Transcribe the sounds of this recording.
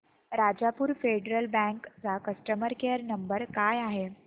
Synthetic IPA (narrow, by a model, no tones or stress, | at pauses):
ɾad͡zapuːɾfeɖɾəlbɛ̃ŋkt͡sakəsʈəməɾkeəɾnəmbəɾkajaɦe